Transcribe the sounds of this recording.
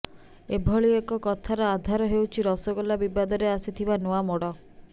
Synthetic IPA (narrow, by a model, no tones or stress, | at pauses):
ebʱɔɭiekɔkɔt̪ʰaɾɔad̪ʱaɾɔɦewt͡ʃʰiɾɔsɔɡɔlabibad̪ɔɾeasit̪ʰibanoamɔɽɔ